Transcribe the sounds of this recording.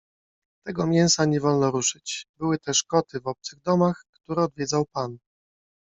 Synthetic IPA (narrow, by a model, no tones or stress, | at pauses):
t̪ɛɡɔmʲjɛw̃saɲɛvɔlnɔɾuʂɘt͡ɕbɘwɘt̪ɛʂkɔt̪ʰɘvɔp̚t̪sɘɣd̪ɔmaxkt̪uɾɛɔd̪vʲjɛd̪zawpan